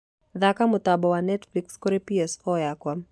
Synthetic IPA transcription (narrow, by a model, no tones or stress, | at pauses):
ðakamʊt̪abɔwanɛtflikskɔɾepiɛsfɔjakwa